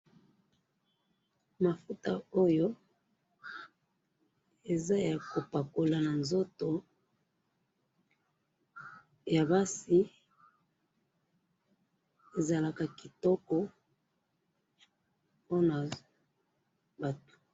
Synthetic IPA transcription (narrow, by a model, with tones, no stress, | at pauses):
ma˨fu˦ta˨o˦jo˦ | e˨za˦ja˨ko˨pa˨ko˨la˨na˨nzo˦to˨ | ja˨ba˦si˦ | e˨za˨la˨ka˨ki˨tɔ˦kɔ˦ | po˦na˨ | ba˨tu̥˨